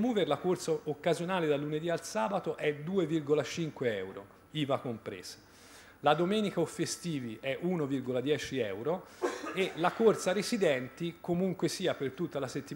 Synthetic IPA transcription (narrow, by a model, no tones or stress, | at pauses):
muːverlakort̪saokːazjonaːled̪alːuned̪ialsaːbat̪oʔɛd̪uːevirɡolat͡ʃiŋkweɛ̰wɾo̰ | iːvakompɾḛːs | lad̪omɛːnikaofːest̪iːviʔɛʔunovirɡolad̪jɛːt͡ʃiɛwɾoelakort̪saɾesid̪ɛnt̪ikomuŋkwesiːapert̪ut̪ːalaset̪ːi